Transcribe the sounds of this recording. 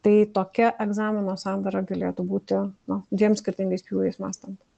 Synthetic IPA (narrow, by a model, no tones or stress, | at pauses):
t̪ɐɪt̪oːkʲɛʔɛɡzɑːmʲɪnoːsɑːnd̪ɐɾɐɡɐlʲeːt̪uːbuːt̪ʲɪnʊd̪ʋʲiɛmsʲkʲɪɾʲt̪ʲɪŋɡɐɪspʲjuːjɛɪsmɑ̰ːst̪ɐnt̪